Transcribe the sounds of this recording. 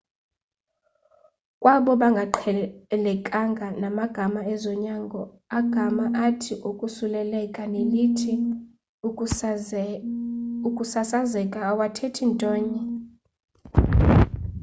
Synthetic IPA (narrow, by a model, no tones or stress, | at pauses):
kʼwaɓɔɓaŋɡʱaǃʰɛlɛkʼaŋɡʱanamaɡ̥ʱamaɛzɔɲaːŋɡʱɔ | aɡ̥ʱamaʔatʰiʔukʼusulɛlɛkʼanelitʰi | ukʼusasazɛkʼaːwatʰɛtʰintʼɔːɲɛ